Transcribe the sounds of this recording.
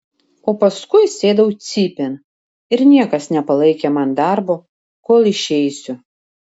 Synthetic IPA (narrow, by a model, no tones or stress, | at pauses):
oːpɐskʊɪsʲeːd̪ɐʊt̪sʲiːpʲɛn | ɪɾnʲiɛkɐsnʲɛpɐlˠɐɪkʲemɐnd̪ɑɾboː | koːlˠɪʃʲɛɪsʲʊ